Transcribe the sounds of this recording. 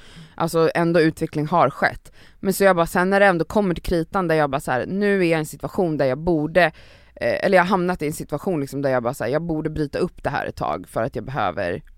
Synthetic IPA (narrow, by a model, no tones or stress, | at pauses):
ʔa̰lsɔɛnd̪oːʉ̟ːt̪ʰvɛklɪŋɦaɾɧɛ̰t̪ː | mɛnsɔjɑːɡbɑːsɛnːæɖɛɛnd̪oːkʰɔmːəʈʰɪlkʰɾiːt̪and̪æɾjɑːbɑːshæ̰ːɾnʉ̟ːæɾjaɛnsɪt̪vaɧuːnd̪æɾjɑːɡbuːɖə | ɛ̰lːɾjɑhaɾɦamnat̪ɪɛnsɪt̪ʉaɧuːnlɪksɔmd̪æjɑːɡbɑːɾasæ̰ːjɑːɡ̚buːɖəbɾyːt̪aɵpːd̪ɛɦæ̰ːɾɛ̰t̪ʰːɑ̰ːɡfœɾat̪jɑːɡbɛɦø̰ːvə̰ɾ